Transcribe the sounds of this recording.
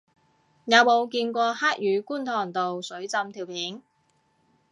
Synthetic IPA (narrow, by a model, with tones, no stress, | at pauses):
jɐ˨˧wmo˨˧wkiː˧nkʷɔː˧haː˥k̚jyː˨˧kuː˥nt̪ʰɔː˨˩ŋt̪o˨wsɵ˨˥ɥt͡sɐ˧mt̪ʰiː˨˩wpʰiː˨˥n